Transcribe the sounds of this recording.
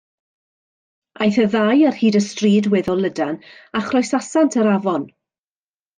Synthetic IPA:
ʔajθəðajər̥hiːdəstriːdwɛðɔlˠədanaχrɔjsasantʰəɾavɔn

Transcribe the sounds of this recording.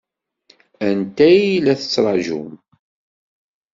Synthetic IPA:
ænt̪æjilæθə̥t͡sːɾˤɑʒṵm

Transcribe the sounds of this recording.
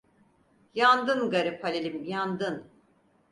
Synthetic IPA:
jand̪ɯnɡaɾipʰhalʲelʲimjand̪ɯn

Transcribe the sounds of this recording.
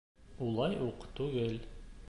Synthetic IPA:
ulˠɑjuqt̪ʉɡɘl

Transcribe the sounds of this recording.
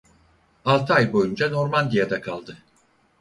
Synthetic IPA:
alˠt̪ʰajbo̞jund͡ʒano̞ɾmand̪ijad̪akʰalˠd̪ɯ

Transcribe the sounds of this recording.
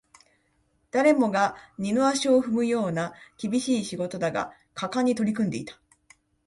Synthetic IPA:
d̪̥aɾe̞mo̞ɡaɲ̟inoaɕio̞ɸɯ̟mɯ̟jo̞ːnakʲibʲiɕiːɕiɡo̞t̪o̞d̪aɡa̰ | kʰakaɲ̟ːit̪o̞ɾʲikɯ̟nd̪e̞̰it̪ḁ

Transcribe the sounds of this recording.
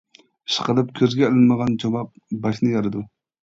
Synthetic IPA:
ɨʃqəlˠɨp̚kʲʰøzɡʲɛɪlɪnməʁɑnd͡ʒɑmɑp̚bɑʃnɨjɑɾɨd̪u

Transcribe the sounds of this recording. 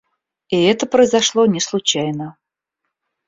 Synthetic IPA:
iɛt̪əpɾəjzɐʂlˠonʲɪslˠʊt͡ɕæjnə

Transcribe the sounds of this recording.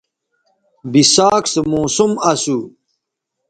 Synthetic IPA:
bisaːksemoːsumɐsu

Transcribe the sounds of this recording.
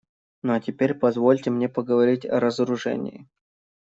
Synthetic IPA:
noɐtʲɪpʲeɾʲpɐzvo̞lʲtʲɪmnʲepəɡəvɐɾʲitʲɐ̰ɾəzəɾʊʐɛ̰nʲɪ̰ɪ̰

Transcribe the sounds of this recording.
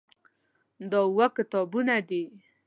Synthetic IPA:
d̪ɑwakɪt̪ɑbunad̪i

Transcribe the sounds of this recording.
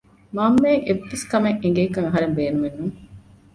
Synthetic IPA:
maːmːeːʔeʋːeskɐmeŋʔeŋ̆ɡeːkɐŋɐɦɐɾembeːnumenːuŋ

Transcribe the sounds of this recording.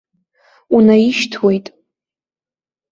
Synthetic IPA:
unaiʃtʰwe̞jtʼ

